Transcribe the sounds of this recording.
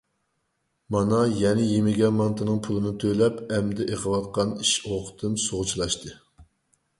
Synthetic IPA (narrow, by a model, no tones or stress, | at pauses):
mɑnɑjɛnɪjemɪɡʲɛnmɑnt̪ʰɨnɨŋpʰulˠɨnɨt̪ʰølɛpɛmd̪ɛʔeqʰəwɑt̪̚qʰɑniʃoqʰə̥t̪ʰɨmsoʁʊt͡ʃʰilˠɑʃt̪ʰɨ